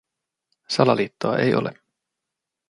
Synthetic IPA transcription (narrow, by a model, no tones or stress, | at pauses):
sɑlɑliːt̪ːoɑʔe̞̰jʔole